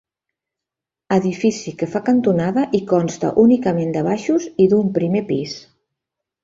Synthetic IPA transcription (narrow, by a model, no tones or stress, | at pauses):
əðifisikəfakənt̪unaðəʔikɔnst̪ə̰ʔunikəmend̪əβ̞aʃuziðumpɾimepis